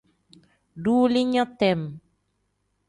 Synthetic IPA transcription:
ɖuː˦li˦ɲɔ̃˦t̪ɛ˨m

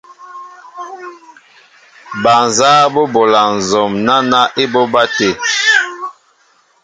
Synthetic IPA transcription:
ba˨n˨zaː˦bɔ˦bɔ˨la˨n̩˨zɔ˨mna˦na˦ʔe˦bɔ˦ba˦te˨

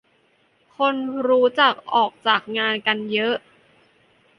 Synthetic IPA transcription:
kʰo˧nɾuː˦˥t͡ɕa˨˩k̚ʔɔː˨˩k̚t͡ɕaː˨˩k̚ŋaː˧nka˧njɤ˦˥ʔ

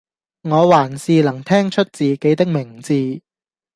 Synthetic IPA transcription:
ŋɔː˨˧waː˨˩nsiː˧lɐ˨˩ŋt̪ʰɛː˥ŋt͡ʃʰɵ˥t̚t͡siː˨ke˨˥jt̪ɪ˥k̚mɪ˨˩ŋt͡siː˧

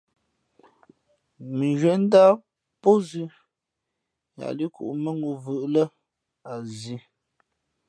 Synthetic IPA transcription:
mi˨ɣe˨˦n̩˦da˦ | po˦zi˦ | ja̰˨li˦kṵ˨ʔmə˦ŋu˨vɯ˨ʔlə˦ | a˨zi˨˦

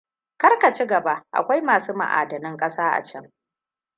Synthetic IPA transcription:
kɐ˦rka˨t͡ʃi˦ɡɐ˨ba˦ʔʔa̰˨kʷa˦jmaː˨suː˦mɐ̰˨ʔa̰ː˨dɐ˨nɪ˦ŋkʼɐ˦saː˦ʔa̰˨t͡ʃɐ˦m

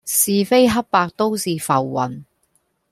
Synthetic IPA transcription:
siː˨fe˥jɦɐ˥p̚paː˧k̚t̪o˥wsiː˨fɐ˨˩wːɐ̰˨n

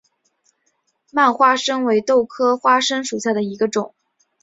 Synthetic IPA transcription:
ma˥˧nxwa˥ʂɤ˥ŋwe˧˥ɪt̪o˥˩ʊkʰɤ˥xwa˥ʂə˥ŋʂu˨˩ɕja˥˩d̪ə˩i˧˥ɡə˧ʈ͡ʂʊ˨˩˦ŋ

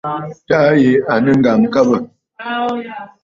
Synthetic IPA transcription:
ta˦je˨˦a˨nə˦ŋ̩˦ɡa˨ŋ˦ka˦bə˨

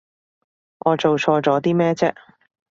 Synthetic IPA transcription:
ŋɔː˨˧t͡so˨wt͡ʃʰɔː˧t͡sɔː˨˥t̪iː˥mɛː˥t͡sɛː˥

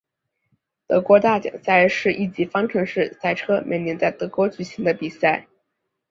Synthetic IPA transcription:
t̪ɤ̰˧˥kwɔ˧˥t̪a˥˩t͡ɕjɑ̰˨˩ŋsa˥˧ɪʂɻ̩˥˧ʔi˥˩t͡ɕi˧˥fɑ˥ŋʈ͡ʂʰɤ˧˥ŋʂɻ̩˥˧sa˥˩ɪʈ͡ʂʰɤ˥mʔɛ˨˩ɪnjɛ˧˥nt͡sa˥˩ɪt̪ɤ˧˥kwɔ˧˥t͡ɕy˨˩ɕi˧˥ŋd̪ə˧pi˨˩sa˥˩ɪ

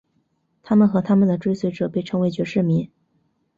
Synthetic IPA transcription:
t̪ʰa˥mə˨nxɤ˧˥t̪ʰa˥mə˨nd̪ə˩ʈ͡ʂwe˥ɪswe˧˥ɪʈ͡ʂɤ˨˩pe˥˩ɪʈ͡ʂʰɤ˧˥ŋwe˧˥ɪt͡ɕɥɛ˧˥ʂɻ̩˥˩mi˧˥ŋ

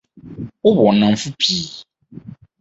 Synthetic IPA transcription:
ʊ˦bɔ˨nã˨m˨fu˦pʰiː˨˦

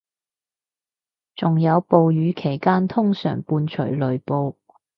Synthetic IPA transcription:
t͡sʊ˨ŋjɐ˨˧wpo˨˧wjyː˨˧˥kʰe˨˩jkaː˥nt̪ʰʊ˥ŋsœ̰ː˨˩ŋpuː˧nt͡ʃʰɵ̰˨˩ɥlɵ˨˩ɥpo˧w

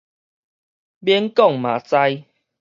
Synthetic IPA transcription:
bjɛ˦nkɔ˥˨ŋmã˨˩t͡sa˧j

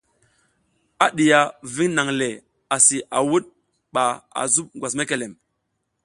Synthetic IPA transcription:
a˦ɗi˨ja˨vi˦ŋna˨ŋle˨ | a˨si˨ʔa˨wu˦ɗ̚ | ɓa˨a̰˨zu˦ɓ̚ɡʷwa˨s̬me˦ke˨le˨m

